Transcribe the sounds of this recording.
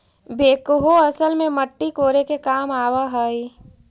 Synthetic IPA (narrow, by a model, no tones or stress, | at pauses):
beːkɦoɐsəlmẽməʈːikoːɾekekaːmaːwaɦəi